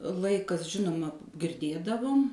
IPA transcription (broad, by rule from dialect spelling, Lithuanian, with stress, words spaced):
ˈlˠɐɪkɐs ˈʒʲɪnʊmɐ ɡʲɪrʲˈdʲeːdɐʋʊm